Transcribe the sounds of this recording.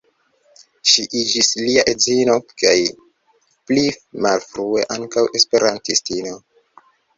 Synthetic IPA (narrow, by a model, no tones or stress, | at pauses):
ʃiʔid͡ʒisliaʔe̞zino̞ka̰j | plimalfɾue̞ʔaŋkawe̞spe̞ɾantistino̞